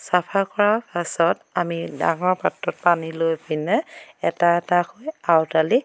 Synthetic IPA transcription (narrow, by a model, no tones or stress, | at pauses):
sapʰakɔɹapasɔtamida̰ŋɔɹpatɹɔt̚panilojpinɛɛtaɛtaxojawtali